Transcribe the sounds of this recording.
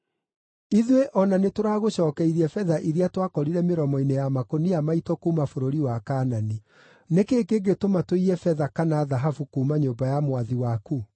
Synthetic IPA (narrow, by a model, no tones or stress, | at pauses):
iðweʔɔnanetoɾaːɣoɕɔːkɛiɾiɛfɛðaʔiɾiatwakɔɾiɾɛmeɾɔmɔinejamakoniamaitɔkuːmafoɾoɾiwakaːnani | nekeːkeɡetomatoiɾɛfɛðakanaːðaɦafukuːmaɲoːbajamwaðiwaku